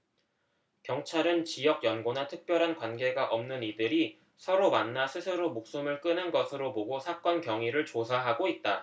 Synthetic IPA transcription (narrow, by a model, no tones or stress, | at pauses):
kjʌŋt͡ɕʰaɾɯnt͡ɕijʌɡ̚jʌnɡonatʰɯk̚p͈jʌɾɦankwanɡe̞ɡaʔʌmnɯnidɯɾi | sʰʌɾomanːasʰɯsʰɯɾomok̚s͈umɯɭk͈ɯnɯnɡʌsʰɯɾoboɡosʰak͈ʌnkjʌŋiɾɯɭt͡ɕosʰaɦaɡoit̚t͈a